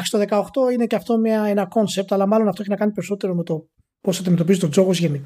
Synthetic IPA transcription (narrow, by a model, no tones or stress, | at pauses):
xɾist̪oðe̞kɐoxt̪o̞ine̞ceɐft̪o̞mɲɐenɐko̞nse̞p̚t̪ɐlɐmɐlo̞nɐft̪oeçinɐkɐnipe̞ɾiso̞t̪e̞ɾome̞t̪o̞ | po̞sɐd̪ime̞t̪o̞pizit̪od͡zo̞ɣozʝe̞ni